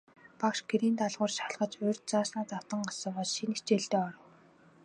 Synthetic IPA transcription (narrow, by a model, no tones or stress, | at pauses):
pakʃɡeɾiːnt̪aɮʁʊːrʃaɮʁə̆t͡ɕʊːrʲt̪̚t͡saːsnaːt͡s̪ḁt̪ə̆ɴɢasə̆pɔsʃinet͡ɕeːɮt̪eːɔɾɞ̆w